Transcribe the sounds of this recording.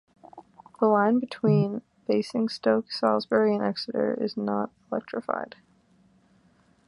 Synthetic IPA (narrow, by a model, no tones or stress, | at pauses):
ðəlãɪ̃nbɨtʰw̥ĩn | feɪsɪ̃ŋstoʊksɑlˠzbɛɹiɨ̃nɛksəɾə̰˞ɪ̰znə̰ɾəlɛk̚tɹ̥ɨfa̰ɪd̥